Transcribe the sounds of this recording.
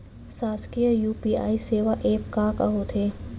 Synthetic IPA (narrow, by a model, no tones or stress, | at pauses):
saːskijəjuːpiːa̰ːiseːʋaʔeːpkaːkaɦot̪ʰeː